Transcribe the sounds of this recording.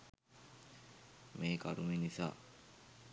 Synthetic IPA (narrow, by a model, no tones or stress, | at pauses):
meːka̰ɾuminisa̰ː